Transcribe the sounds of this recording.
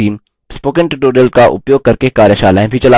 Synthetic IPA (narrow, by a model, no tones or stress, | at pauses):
iːm | spoːkə̃ɳʈɖoːɖəlkaʔʊ̰pjoːɡ̚kɐɾkekaːɾjəʃaːlaːẽbʱit͡ʃɐlaː